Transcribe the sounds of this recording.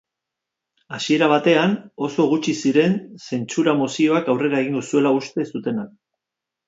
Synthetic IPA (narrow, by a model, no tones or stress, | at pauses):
asie̞ɾaβ̞at̪e̞ano̞so̞ɣut͡ʃisiɾe̞nse̞nt͡suɾamosio̞akawre̞ɾae̞ɣ̞iŋɡosue̞laust̪e̞sut̪e̞nak̚